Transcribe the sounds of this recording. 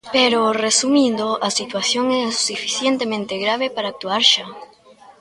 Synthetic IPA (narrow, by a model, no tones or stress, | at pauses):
peɾoresumĩnd̪oʔasit̪waθjoŋɛasufi̥θjent̪emẽnt̪eɣɾaβ̞epaɾaːk̚t̪uaɾʃa